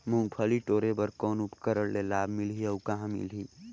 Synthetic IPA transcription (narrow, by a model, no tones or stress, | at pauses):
mũŋɡpʰəliʈoːɾebəɾkɔːnʊpkəɾəɽlelaːbʱmɪlɦiɔːʊkɐɦãmɪ̰lɦiː